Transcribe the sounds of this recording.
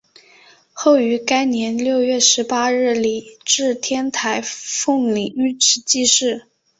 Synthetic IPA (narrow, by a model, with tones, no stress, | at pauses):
xo˥˩ʊy˧˥ka˥ɪnjɛ˧˥nljo˥˧ʊɥɛ˥˩ʂɻ̩˧˥pa˥ɻɻ̩˥˩li˨˩ʈ͡ʂɻ̩˥˩t̪ʰjɛ˥nt̪ʰa˧˥ɪfʊ˥˩ŋli˨˩ŋy˥˩ʈ͡ʂɻ̩˧˥t͡ɕi˥˧ʂɻ̩˥˩